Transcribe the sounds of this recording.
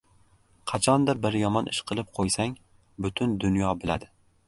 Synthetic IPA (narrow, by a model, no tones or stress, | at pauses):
qʰɑt͡ʃʰɒnd̪abɪɾjɒmɒnʔɪʃqʰɨlˠɪp̚qʰojsaŋ | bʊt̪ʰʊnd̪ʊnjɒbɪlad̪ɪ